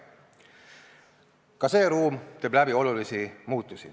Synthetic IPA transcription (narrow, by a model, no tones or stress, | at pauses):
kɑse̞ːɾuːmt̪e̞ːblæbio̞lulisimuːt̪ˑːusḭ